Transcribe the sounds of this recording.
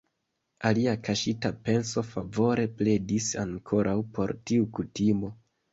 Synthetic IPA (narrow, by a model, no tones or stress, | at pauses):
aliakaʃitape̞nso̞favo̞ɾe̞ple̞disaŋkʰo̞ɾʔawpo̞ɾtiukutimo̞